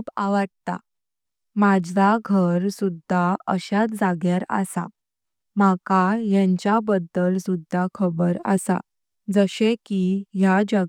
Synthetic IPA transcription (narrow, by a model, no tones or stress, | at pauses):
paʋəɽt̪a̰ | mad͡ʑaɡʱəɾsud̪ʱːaəɕat̪d͡zaɡjaɾə̰sa̰ | makajãɲt͡ɕabəd̪ːəlsud̪ʱːakʰəbəɾə̰sa̰ | d͡zəɕekiɦjad͡ʑə